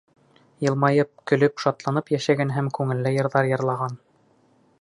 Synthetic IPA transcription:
jɤ̆lˠmɑjɤp̚kɵ̆lɵpʃɑt̪lˠɑnɤpjæʃæɡænɦæmkʉŋɘ̆lːæjɤ̆ɾðɑɾjɤ̆ɾlˠɑʁɑn

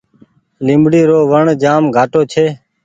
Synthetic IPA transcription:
lɪ̃mbɽiːɾoːʋəɳd͡ʒaːmɡʱaːʈoːt͡ʃʰeː

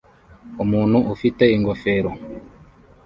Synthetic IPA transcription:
omun̤uʔufitɛiŋɡɔfeɾo

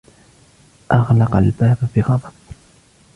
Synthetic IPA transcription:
ʔɑɣlɑqalbaːbbɪɣɑðˤɑb

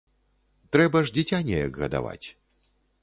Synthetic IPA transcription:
t̪ɾɛbɐʐd͡zʲit͡sʲanʲɛjɐ̰ɡɣɐd̪a̰va̰t͡sʲ

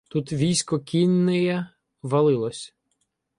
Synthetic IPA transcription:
t̪ut̪ʋʲijsʲkɔkʲinːɪjɛ | ʋɐlˠɪlˠɔsʲ

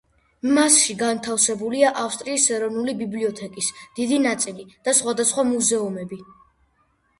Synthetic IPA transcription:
masʃiɡant̪ʰafsɛbuliaʔafst̪ʼɾiːsɛɾɔvnulibibliɔt̪ʰɛkʼisd̪̥id̪inat̪sʼilid̪̥asχwad̪asχwamuzɛumɛbi

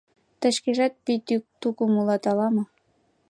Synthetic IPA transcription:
t̪ə̆ʃkeʒɑt̪̚pit̪t̪ukumulɑt̪ɑlɑmɤ̆

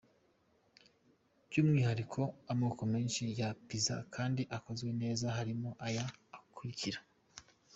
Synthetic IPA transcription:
b̥juːmŋiːhaɾikʰo̞amoːkome̞ːnʃijapiza̰kʰaːndiʔako̞zɡwe̞ne̞ːzaɦaɾimo̞ʔajaːkʰuɾiciɾḁ

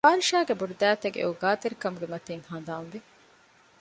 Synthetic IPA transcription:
paːɾiʃaːɡebuɖud̪æːt̪ɐɡḛuɡaːt̪eɾikɐmuɡemɐt̪iːŋhand̪aːnʋi

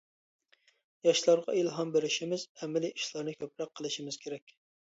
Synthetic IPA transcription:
jɑʃlˠɑɾʁɑ̰elˠɦɑnbeɾɪʃimɪzɛmɪliʔiʃlˠɑɾnɨkʲʰøpɾɑqʰːəlˠɪʃimɪz̥kʲʰeɾɛkʲ

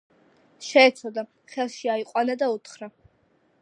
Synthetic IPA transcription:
ʃɛːt̪sʰɔd̪a | χɛlˠʃiaiqʼwanad̪aut̪ʰχɾa

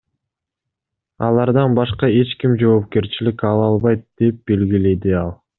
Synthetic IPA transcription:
ɑlˠɑɾd̪ɑnbɑʃqɑe̞t͡ʃkimd͡ʒo̞ːp̚ke̞ɾt͡ʃilikɑlˠɑlˠβɑjt̪̚d̪̥e̞p̚be̞lɡile̞d̪iɑlˠ

